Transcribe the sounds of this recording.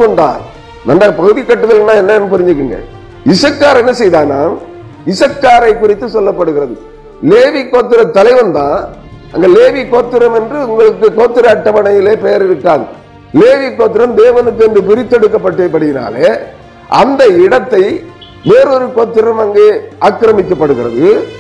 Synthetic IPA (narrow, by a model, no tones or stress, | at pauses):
kːɔɳɖa̰ːɾ | nɐndaːɣɐpɐɣɯðɪkːɐʈːɯðɐlnːãːɛnːɐɛnːɯpɪɾɪɲd͡ʒɯkːɯŋɡɐ̰ | ɪsɐkːaːɾɛnːɐsɛjðaːna̰ːn | ɪsɐkːaːɾɐɪkʊrɪt̪ːɯsɔlːɐpːɐɽɯɣɪɾɐðɯ | leːʋikːoːt̪ːɪɾɐt̪ːɐlɐɪʋɐnt̪ãː | ʔɐ̰ŋɡeleːʋikoːt̪ːɪɾɐmɛndrɯʊŋɡɐɭɯkːɯkoːt̪ːɪɾɐɐʈːɐʋɐɳɐjɪleːpɛjɐɾɪɾɯkːaːŋ | leːʋikːoːt̪ːɪɾɐmd̪eːʋɐnɯkːɯɛndɯpɪɾɪt̪ːɛɽɯkːɐpːɐʈːeːpːɐɽɪjɪna̰ːle | ʔɐ̰nd̪ɐɪɽɐt̪ːɐɪ | ʋeːɾɔɾɯkoːt̪ːɪɾɐmɐŋɡeːaːkːɪɾɐmɪkːɐpːɐɽɯɣɪɾɐ̰ðɯ